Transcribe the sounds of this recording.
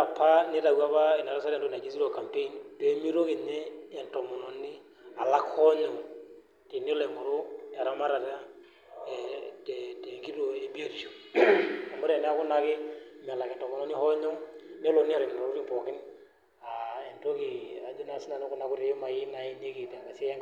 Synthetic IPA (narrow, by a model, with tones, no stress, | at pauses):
a˨pːa˦ne˦ta˨wa˦pa˦i˨na˨ɾa˦sa˦ɾɛ˨n˨to˦na˨d͡ʒi˦si˦ɾo˨ka˨mpe˦i˦nte˦mi˦ɾo˦ke˨ɲeː˦˨ntɔ˨mɔ˨nɔ˨ni˦ | a˨la˦khɔ˦ɲɔ˨ŋ | te˨ne˦le˨mo˨ɾo˦a˨ɾa˦ma˦ɾa˨ta˦˨ | te˨te˨ŋɡi˦ɾo˨e˨˦bi˦o˦di˨ʃo˨ | a˨mo˦ɾe˨ne˦a˦kʊ˦na˦kɪ˦mi˨a˨la˨kɛ˨ntɔ˨mɔ˨nɔ˨˦ni˦hɔ˦ɲɔ˦ŋne˦lo˨ni˦a˨ɾi˨n˨ɾa˨ɾu˦ɾi˦mpɔ˨kɪ˦n | a˨e˨nto˦ki˨a˨d͡ʒna˨si˦na˨ne˦ku˦na˨˦ku˦te˨˦ma˨ji˦na˨i˦ɲe˦ki˨ta˨ka˨se˦a˦ŋ